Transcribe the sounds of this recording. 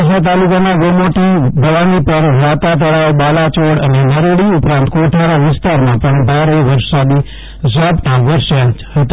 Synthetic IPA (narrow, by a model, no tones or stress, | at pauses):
s̬at̪̬alukanaʋomoʈibʱəʋanipəɾɾat̪at̪əɽawɓalat͡ʃoɽənenəɾeɽiupɾãnt̪koʈʰaɾaʋɪst̪aɾmãpəɳbʱaɾeʋəɾsad̪i | sabʈãʋəɾʃahət̪a